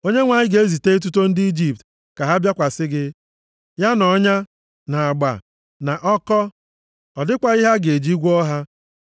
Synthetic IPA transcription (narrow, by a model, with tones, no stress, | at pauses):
o˦ɲe˦ŋʷa˨ɲɪ˦ɡe˨˦e˦zi˨te˦e˦t̬u˦to˦n̩˦dɪ˦i˦d͡ʒi˨p̚t | ka˨ɦa˦bja˦kʷa˨sɪ˦ɡɪ˦ | ja˦nɔ˨˦ɲa˦ | na˨a˨ɡ͡ba̰˨ | na˨ʔɔ˦kɔ˦ | ɔ˨dɪ˦kʷa˨i˦ɦa˦ɡe˨d͡ʒi˦ɡʷɔ˦ɦa˦